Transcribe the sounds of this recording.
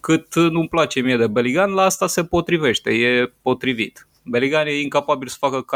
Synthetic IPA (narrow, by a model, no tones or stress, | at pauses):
kɨt̪numplat͡ʃe̞mied̪ebeliɡanlaast̪ase̞po̞t̪ɾive̞ʃt̪e̞je̞po̞t̪ɾivit̪ | beliɡanje̞iŋkapabilsə̥fakək